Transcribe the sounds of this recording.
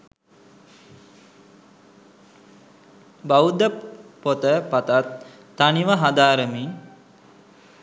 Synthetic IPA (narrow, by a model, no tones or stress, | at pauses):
baud̪əpot̪əpat̪at̪ː | aniʋəɦad̪aːɾəmi